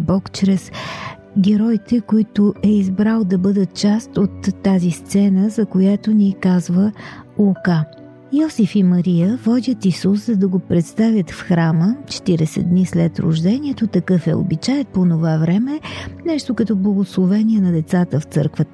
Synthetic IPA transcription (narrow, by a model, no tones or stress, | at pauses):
bɔkt͡ʃɾɛs | ɡʲɛɾɔit̪ɛkoit̪ʊɛizbɾalˠd̪ɐbɤd̪ət̪̚t͡ʃast̪ot̪ːazist̪sɛnəzɐkojat̪onikazvəʊka | jɔsifimɐɾijəvɔd̪ʲət̪isuszɐd̪ɐɡopɾɛt̪st̪avʲjət̪fxɾamət͡ʃɛ̥t̪iɾɛsɛ̰d̪d̪nislɛt̪ɾʊ̰ʒd̪ɛnʲiɛt̪ot̪ɐkɤfɛ̰o̰bit͡ʃajɛt̪̚ponovavɾɛmɛnɛʃt̪okɐt̪ɔblˠəɡoslˠʊvɛnʲiɛnɐd̪ɛt̪sat̪əft̪sɤ̰ɾkvət̪ə